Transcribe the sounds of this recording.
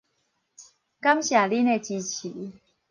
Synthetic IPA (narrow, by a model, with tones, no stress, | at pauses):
ka˦˥mɕja˨˩li˦ne˥˧˨t͡ɕi˧t͡ɕʰi˨˦